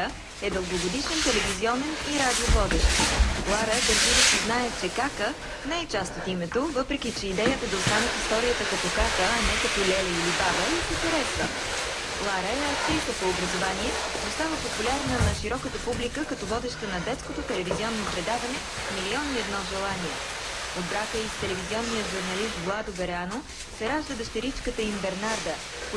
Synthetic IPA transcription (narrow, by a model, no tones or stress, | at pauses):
ə | ɛd̪əlˠɡoɡod̪iʃɛnt̪ɛlɛviziɔnɛniɾad̪iovɔd̪ɛʃt̪lˠaɾəd̪əɾʒid̪əsiznaɛt͡ʃɛkakə | nɛɛt͡ʃast̪ot̪imɛt̪ovɤpɾɛk̟it͡ʃɛid̪ɛjət̪əd̪ɐost̪anɛt̪ist̪ɔɾijət̪əkɐt̪ɔkakəːnɛkɐt̪ɔlɛiilibabəit̪it̪ɛɾɛsə | lˠaɾəɐt̪ɾit̪əp̪oːbɾəzovaniɛnost̪avəpopulʲaɾnənɐʃiɾɔkət̪əpublikəkɐt̪ɔvɔd̪ɛʃt̪ənɐd̪ɛt̪skot̪ot̪ɛlɛviziɔnːopɾɛd̪avɐnɛ | miliɔniɛd̪nɔʒɛlˠaniɛ | od̪̚bɾakəist̪ɛlɛviziɔnːijəʒuɾnɐlist̪ɡlˠad̪obɛɾano | sɛɾaʒd̪əd̪ɐʃt̪ɛɾit͡ʃkət̪əimbɛɾnaɾd̪ə | k